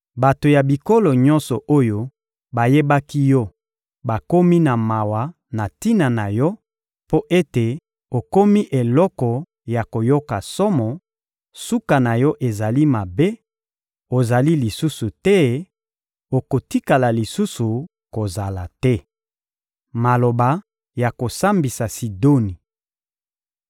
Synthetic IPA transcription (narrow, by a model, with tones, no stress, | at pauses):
ba˨to˨ja˨bi˨ko˦lo˨ɲɔ˦nsɔ˨ʔo˦jo˦ | ba˨je˦ba˦ki˦jɔ˦ | ba˨ko˦mi˦na˨ma˨wa˨ | na˨ti˦na˨na˨jɔ˦ | po˦ʔe˦te˨ | o˨ko˦mi˦ʔe˨lɔ˦kɔ˨ | ja˨ko˨jo˦ka˨sɔ˦mɔ˨ | su˦ka˨na˨jɔ˦ʔe˨za˨li˦ma˨be˦ | o˨za˨li˦li˨su˦su˨tɛ˦ | o˨ko˨ti˦ka˨la˨li˨su˦su˨ | ko˨za˨la˨tɛ˦ | ma˨lo˨ba˨ | ja˨ko˨sa˦mbi˨sa˨si˨do˦ni˨